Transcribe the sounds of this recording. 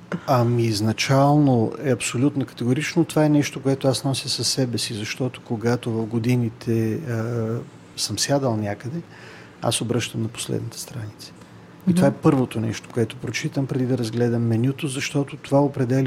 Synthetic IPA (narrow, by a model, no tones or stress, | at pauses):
ɐmiznɐt͡ʃalˠnoɛɐpsolʲut̪nokɐ̥t̪ɛɡʊɾit͡ʃnot̪ovaɛnɛʃt̪okoɛt̪oasnɔsʲəsɐsːɛbɛsizɐʃt̪ɔt̪o̥koɡat̪ovɐfɡod̪init̪ʰɛ | səmsʲjad̪əlˠnʲjakəd̪ɛ | a̰sobɾɤʃt̪əmnɐpo̥slɛ̰d̪nɐt̪ɛ̥st̪ɾanit̪sə̥ | it̪ovaɛpɤɾvot̪onɛ̰ʃt̪o̥koɛt̪opɾot͡ʃit̪əmpɾɛd̪id̪ɐɾɐzɡlɛd̪ɐmːɛnʲut̪ozɐʃt̪ɔt̪ot̪ovaopɾɛd̪ɛl